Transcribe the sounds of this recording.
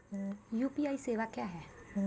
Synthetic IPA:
juːpiaːiseːʋakjaːɦɛː

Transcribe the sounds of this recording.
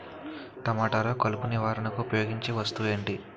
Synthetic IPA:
t̪ɐmaːʈaːɾɐːkɐlupuniʋaːɾɐnɐkuːpɐjo̞ːɡiɲt͡ʃiʋɐst̪uʋe̞ːɳʈi

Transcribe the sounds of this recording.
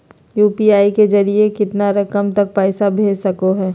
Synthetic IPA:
juːpiaːiked͡ʒɐɾiekɪt̪naɾɐkəmt̪ɐk̚pɛːsabʱeːd͡ʒsɐkoɦɛː

